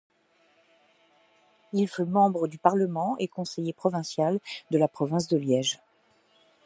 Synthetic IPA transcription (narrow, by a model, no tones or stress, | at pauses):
ilfymɑ̃bʁəd̪ypaʁləmɑ̃ʔekɔ̃sejepχɔvɛ̃sjald̪əlapχɔvɛ̃s̬d̪əljɛʒ